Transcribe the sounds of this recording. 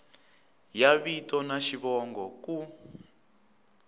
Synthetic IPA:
jaβitɔnaʃiβɔŋɡɔku

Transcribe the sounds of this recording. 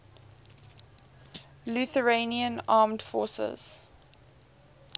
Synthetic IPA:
luθəɹeniə̃nɑːmdfɔ̰ːsə̰z̥

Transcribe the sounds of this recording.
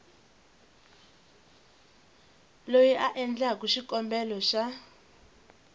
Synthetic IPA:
lojiʔaʔɛnd͡ɮak̬uʃikɔmbɛlɔʃa

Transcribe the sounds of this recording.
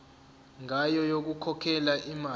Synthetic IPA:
ŋajɔjok̬ukʰɔkʰɛlaʔima

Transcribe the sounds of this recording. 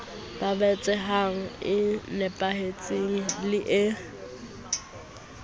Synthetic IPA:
b̥abɛt͡sʼɛɦaŋ̩ɪnɛpʼahet͡sʼiŋ̩lɪʔɪ

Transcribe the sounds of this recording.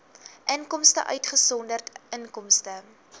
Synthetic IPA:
ʔəŋkɔmstə̰ʔœ̰ɥtχəsɔndərtəŋkɔmstə

